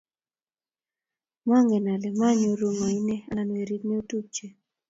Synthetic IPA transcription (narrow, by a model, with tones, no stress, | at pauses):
ma˦ŋɡɛ˨na˨lɛ˨ma˦ɲo˨ɾo˨ma˨i˦nɛ˦a˨˦nwe˨ɾi˦tne˦o˦tu˦p̚t͡ʃe˨